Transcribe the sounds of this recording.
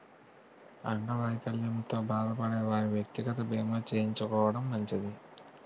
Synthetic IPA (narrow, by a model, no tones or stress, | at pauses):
ɐɳɖɐʋɐjkɐljɐnt̪o̞ːbaːd̪ɐpɐɽeːʋaːɾiʋjɐk̚t̪iɡɐt̪ɐbeːmoːt͡ʃeːjiɲt͡ʃukɔːʋɐɽɐmːɐɲt͡ʃɐd̪i